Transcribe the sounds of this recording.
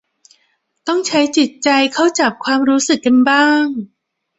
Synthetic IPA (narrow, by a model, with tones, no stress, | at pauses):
t̪ɔ˥˩ŋt͡ɕʰa˦˥jt͡ɕi˨˩t̪̚t͡ɕa˧jkʰa˥˩wt͡ɕa˨˩p̚kʰwaː˧mɾuː˦˥sɯ˨˩kːa˧nbaː˥˩ŋ